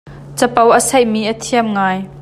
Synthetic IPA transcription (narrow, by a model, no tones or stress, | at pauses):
t͡səpɐwʔəsɐjʔmiːʔət̪ʰiəmŋaːj